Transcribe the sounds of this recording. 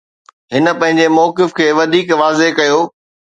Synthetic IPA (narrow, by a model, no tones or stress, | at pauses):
ɦɪnə̆pɐ̃ɦɪ̃ɲ̆d͡ʑemɔːkɪfkʰeːʋɐd̪ʱiːkʋaːzekɐjoː